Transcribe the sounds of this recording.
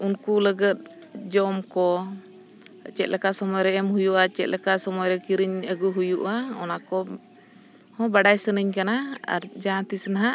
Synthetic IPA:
unkuləɡət̪̚d͡ʒɔmkɔ | t͡ʃɛt̪̚lʔɛkaʔsɔmɔjɾɛɛmhujuʔat͡ʃɛt̪̚lʔɛkaʔsɔmɔjɾɛkiɾiɲəɡuɦujuʔaɔ̰nakɔ | hɔ̃baɖajsənəɲkanaa̰ɾd͡ʒãt̪isənaɦaʔ

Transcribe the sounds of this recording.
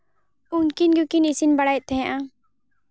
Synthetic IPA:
unkinɡukinisinbɐɽaj̚t̪ʰɛ̃ʔã

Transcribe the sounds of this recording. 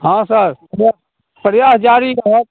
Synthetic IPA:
ɦãːsəɾa | pəɾjaːsd͡ʒaːɾikaɦɛ

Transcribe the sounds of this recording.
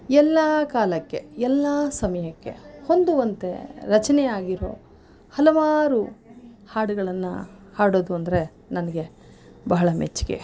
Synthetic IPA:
ɛlːaːkaːlɐkːe̞ɛlːaːsɐmɐjɐkːe̞̰ho̞nd̪uʋɐnt̪e̞̰ɾɐt͡ʃɐnɛjaːɡiɾo̞̰ː | hɐlɐʋaːɾu | haːɽuɡɐɭɐnːɐ̰haːɽoːd̪uɐnd̪ɐɾe̞ | nɐnɐɡe̞ | bɐɦɐɭɐmet͡ʃːi̥kḛ

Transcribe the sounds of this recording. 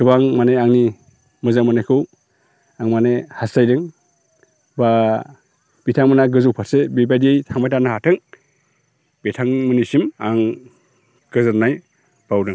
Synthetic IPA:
kʰɯbaŋmaneaŋni | mɯzamanajkʰɯw | aŋmanehasajdɯŋ | ba | b̥itʰaŋmɯnaɡɯzɯwpʰatsebibajdiejtʰaŋmajtʰanahatʰɯŋ | betʰaŋmɯnisimaŋ | ɡ̥ɯzɯɾnaj | b̥awdɯŋ

